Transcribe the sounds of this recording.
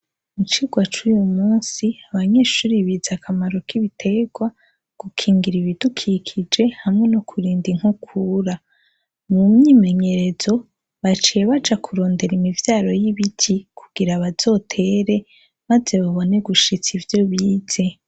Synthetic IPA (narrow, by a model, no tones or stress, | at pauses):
mut͡ʃiɡwat͡ʃujumuːnsiaβaɲe̞ːʃuːɾiβizakʰamaɾo̞kiβitʰe̞ɡwa | ɡ̥ukʰiːŋɡiɾiβidukʰikʰid͡ʒe̞hamŋe̞nokʰuɾiːndiŋ̥hukʰuɾa | mumɲiːmeɲe̞ɾe̞zo̞ | βat͡ʃijeβad͡ʒakʰuɾo̞ːnde̞ɾimivjaːɾo̞jiβitʰikʰuɡ̥iɾaβaz̥o̞ːtʰe̞ɾe̞ | maze̞βaβo̞ne̞ɡuʃit͡sivjo̞βiːz̥e̞